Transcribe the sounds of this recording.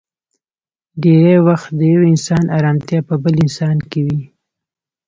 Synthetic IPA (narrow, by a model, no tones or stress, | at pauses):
ɖeɾajwaxt̪̚d̪əjawɪnsɑnʔɑɾɑmt̪jɑpəbəlɪnsɑnkewi